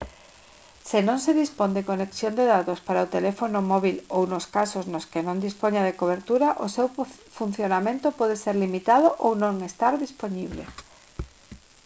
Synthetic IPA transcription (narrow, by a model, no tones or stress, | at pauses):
senõŋseðispond̪ekoneksjond̪eðat̪ospaɾaot̪elefonomɔβilownoskasoznoskenõnd̪ispoɲaðekoβ̞eɾt̪uɾaʔosewfun̟θjonamẽnt̪opɔðeseɾlimit̪aðoʔownõŋest̪aɾðisponiβlḛ